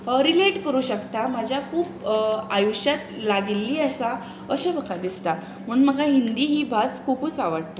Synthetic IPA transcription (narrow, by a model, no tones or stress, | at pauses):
əɾileʈkəɾuːɕəkt̪amad͡ʑʱjakʰuːpajuɕjat̪laɡilːiːəsa | əsebəkʰad̪ist̪a | m̤əɳməɡaɦind̪iːɦiːbʱaskʰuːpuːt͡saʋaɽt̪o